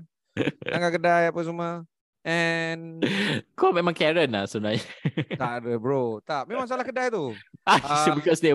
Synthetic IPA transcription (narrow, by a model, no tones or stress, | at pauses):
aŋɡakədajapəs̬əmə | ʔɛn | komemãŋkɛɾənlasəbənãɲət̪aʔdəbɹot̪ap̚mẽmãŋs̬alahkədajt̪uʔasobikɔsd̪e